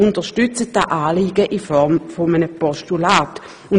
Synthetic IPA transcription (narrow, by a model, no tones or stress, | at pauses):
ʊntəʃtʏt͡sət̚daʔaːliːɡəʔifɔʁmfomənəpɔstulaːt | ʊn